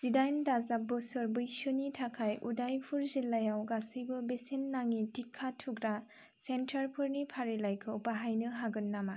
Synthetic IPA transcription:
z̥idajndazap̚bɯsɯɾbɯjsɯnitʰakʰajʔudajpʰuɾzilːajawɡasɯjbɯbesenːaŋitikʰːatʰuɡɾa | sentʰaɾpʰɯɾnipʰaɾilajkʰɯwpaɦajnɯɦaɡɯnːama

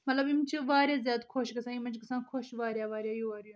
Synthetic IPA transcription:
mɐt̪lɐbimt͡ʃʰiʋaːɾjaːzjaːd̪kʰoʃkɐsãːimɐt͡ʃkɐsãːkʰoʃʋaːɾjaːʋaːɾʲjaːjiʋaːɾjuː

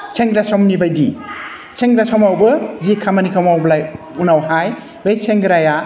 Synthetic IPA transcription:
sʰeŋɡɾasɔmnibajdi | seŋɡɾasɔmawbɯzikʰamanikʰamawblaj | unawhaj | bejseŋɡɾaja

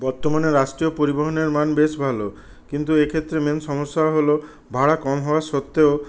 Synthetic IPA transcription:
bɔɾt̪omaneɾasʈɾijopoɾiboɦɔneɾmanbesbʱalo | kint̪uekʰet̪ːɾemensɔmosːaɦolo | bʱaɽakɔmɦɔwasɔt̪ːeo

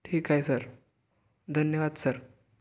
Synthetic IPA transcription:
ʈʰiːkajsəɾ | d̪ʱənjəʋad̪səɾ

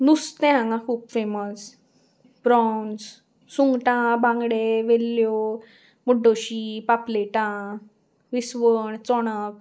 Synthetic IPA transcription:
nust̪ẽɦãŋɡãkʰuːpfeməs | bɾɔns | suŋɡʈãbãŋɡɽeʋelːjo | muɖoɕiːpapleʈã | ʋisʋəɳt͡sɔɽ̃ək

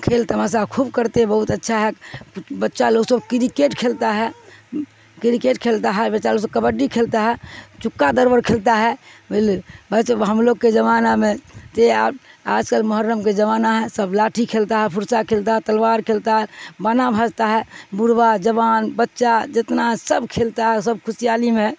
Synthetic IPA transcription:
kʰelt̪əməsakʰubkəɾt̪eɦɛbəɦut̪ətːʃʰaɦɛbətːʃalosəbkiɾikeʈkʰelt̪aɦɛ | kiɾikeʈkʰelt̪aɦɛbətːt͡ʃaleos̬əb̚kəbəɖːikʰelt̪aɦɛt͡ʃukːad̪əɾbəɾkʰelt̪aɦɛbelbəɦəmloɡ̚ked͡ʒəmanamẽt̪eaːd͡ʒkəlməɦəɾːəmked͡ʒəmanaɦɛsəblaʈʰikʰelt̪aɦɛpʰuɾsakʰelt̪aɦɛt̪əlʋaɾkʰelt̪aɦɛbanabʱad͡ʒt̪aɦɛbuɾbad͡ʒəbaːnbətːʃad͡ʒet̪naɦsəbkʰelt̪aɦɛsəbkʰʊsijalimẽ

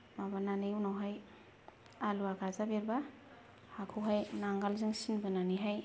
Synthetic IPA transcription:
mabananejunawɦaj | aluaɡazabeɾba | hakʰɯwɦajnaŋɡalzɯŋsinbɯnaniɦaj

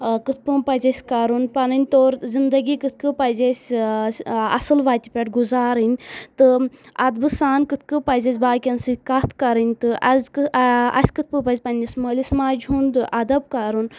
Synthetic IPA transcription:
kɨt̪̚ʰpɨmpɐzʲɐsʲkɐɾunpɐnɨnʲt̪oːɾzind̪ɐɡikɨt̪̚ʰkɨpɐzʲesʲ | ɐ̰sɨlʋaːt̪ʲipʲeʈɡuzaːɾɨnʲt̪ɨɐd̪bɨsaːnkɨt̪̚ʰkɨpɐzɐsʲbaːkʲɐnsɨkɐt̪kɐɾɨnʲt̪ɨʔɐzɐ̰sʲkɨt̪̚ʰpɨpɐzʲpɐnʲisməːlʲismaːd͡ʒɦund̪ɨʔɐd̪ɐb̚kɐɾun

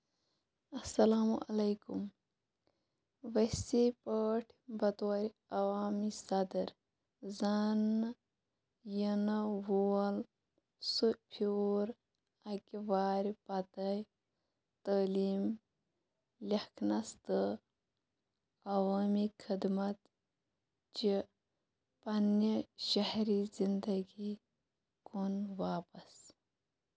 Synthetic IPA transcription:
ɐsɐlaːmuʔɐlɐjkum | ʋɐsipəːʈʰbɐt̪oːɾiɐʋaːmisɐd̪ɐɾ | zɐn | jənɐʋoːl | supʰoːɾ | ɐkiʋaːɾʲpɐt̪ɐj | t̪əːliːm | lekʰnɐst̪ɨ | ɐʋɐːmikʰid̪mɐt̪ | t͡ʃi | pɐniʃɐhɾizind̪ɐɡi | kʰonʋaːpɐs

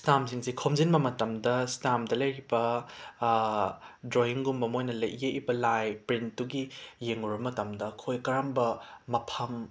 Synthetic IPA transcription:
stamsiŋsikʰɐwmzinbɐmɐtɐmdɐstamdɐlɐjɾibɐ | dɾoiŋɡumbɐmojnɐlɐ̰jʔjeʔibɐlajpɾintːuɡijeŋuɾɐbɐmɐtɐmdɐkʰojkɐɾambɐmɐpʰɐm

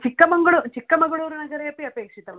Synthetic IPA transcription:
t͡ʃikːɐmɐŋɡɐɭut͡ʃikːɐmɐɡɐɭuːɾunɐɡɐɾejɐpːiɐpeːkʂit̪ɐʋ

